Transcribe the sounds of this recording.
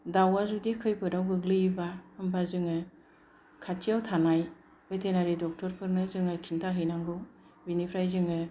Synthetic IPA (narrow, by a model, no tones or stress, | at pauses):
dawazudikʰɯjpʰɯɾawɡɯɡlɯjibahɯmbazɯŋɯ | kʰatʰijawtʰanaj | betʰenaɾidɔk̚tʰɔɾpʰɯɾnɯzɯŋɯkʰintʰaɦɯjnaŋɡɯw | binipʰɾajzɯŋɯ